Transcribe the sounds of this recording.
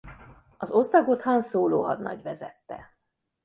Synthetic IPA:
ɒzo̞zd̪ɒɡot̪hɒnsoːloːɦɒd̪nɒ̰ɟʋɛzɛt̪ːɛ̰

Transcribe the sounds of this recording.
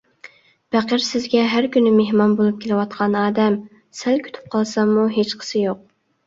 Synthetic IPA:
bæqəɾsɪzɡʲɛɦæɾkʲynːɪmeɦmɑnbolˠup̚kʲʰelɪwɑt̪̚qʰɑnɑːd̪ɛm | sælkʲʰy̥t̪ʰy̥p̚qʰɑlˠsɑmmuɦet͡ʃqʰə̥sɨjoq̚

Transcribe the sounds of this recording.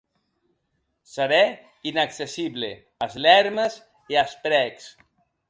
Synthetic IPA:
səɾɛ | inaksesiβlḛ | azlɛɾməz | iaspɾɛks

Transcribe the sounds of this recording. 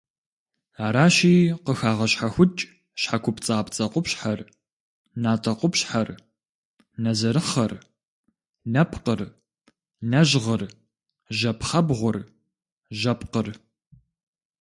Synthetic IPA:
aːɾaːɕiːqəxaːʁɐɕħaxʷʊt͡ʃʼ | ʃħakʷʰʊpt͡sʼaːpt͡sʼɐqʷʊpɕħar | naːtʼɐqʷʊpɕħɐr | nɐzɐɾɨχɐr | nɐpʰqər | nɐʑʁər | ʒɐpʰχɐbʁʷʊr | ʒɐpqər

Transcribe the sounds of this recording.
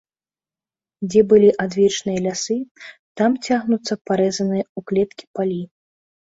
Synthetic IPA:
d͡zʲɛbɨlʲiʔad̪vʲɛt͡ʂnɨjɐlʲasɨt̪amt͡sʲaɣnut̪sːɐpaɾɛzɐnɨjɐuklʲɛt̪̚kʲi̥palʲi

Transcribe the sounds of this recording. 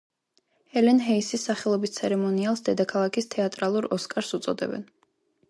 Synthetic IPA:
hɛlɛnɦɛisisːaχɛlˠɔbist̪sʰɛɾɛmɔnialˠsd̪ɛd̪akʰalˠakʰist̪ʰɛat̪ʼɾalˠuɾɔskʼaɾsut̪sʼɔ̰d̪ɛ̰bɛ̰n

